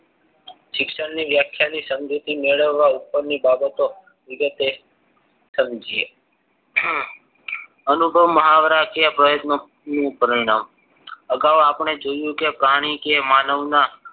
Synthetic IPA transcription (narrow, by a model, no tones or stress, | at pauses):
ʃɪkʃəɽniʋjakʰjanisəmd͡ʒut̪imeɭəʋːaupːəɾnibabət̪o | ʋɪɡət̪e | səmd͡ʒie | ənubʱəʋməɦaʋəɾakepɾəjət̪no | nũpəɾiɽ̃am | əɡaʋapɳ̃ed͡ʒojũkepɾaɽ̃ikemanəʋna